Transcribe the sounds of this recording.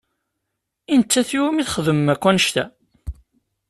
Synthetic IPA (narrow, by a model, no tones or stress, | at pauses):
int͡s̪ːæθjumiθχəðəmːækʷːænəʃt̪æ